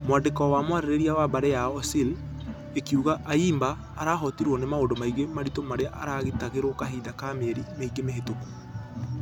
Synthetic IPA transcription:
mowandekɔwamowaɾeɾeɾiawabaɾɛjaɔsil | ekiuɣaʔaiːmbaː | ɾaɦɔtiɾwɔnemaondomaiɣemaɾitomaɾeaʔaɾaɣetaɣeɾokaɦiːðakameɾimeiɡemeɦetoku̥

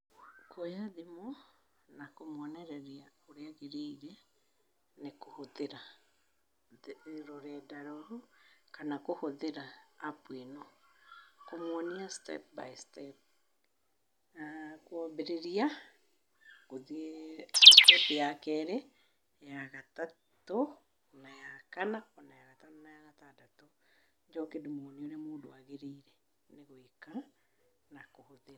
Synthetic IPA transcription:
kʰojaðemɔ | nakomwɔnɛɾɛɾiaoɾeaɣeɾeiɾɛ | nekohoðeɾa | ɾoɾɛdaɾɔɾokanakohoðeɾaːpwenɔ | komwɔniastɛ̰p̚ba̰jstɛp̚ | akwɔbeɾeɾia | ɣoð | stɛpjakɛɾɛ | jaɣata | to | najakanaɔnajaɣatanonajaɣatadato | d͡ʒɔkedemɔneoɾemoːdoaɣeɾeiɾɛ | neɣoeka | nakohoðeɾa

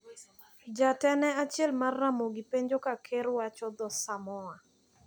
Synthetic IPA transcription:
d͡ʒatɛnɛat͡ʃjɛlmarːamoɡipeɲd͡ʒokakʰeɾwat͡ʃɔd̪ɔsamɔa

